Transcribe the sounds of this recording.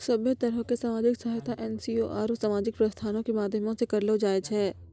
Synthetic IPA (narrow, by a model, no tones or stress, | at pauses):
sɐbət̪ɐɾəɦkesaːmaːd͡ʒɪksɐɦajt̪ʰaʔɛːnsioʔa̰ːɾsaːmaːd͡ʒɪk̚pɾɐst̪ʰaːnõkemaːd̪ʱjəmõsekɐɾlod͡ʒaːet͡ʃʰɦɛː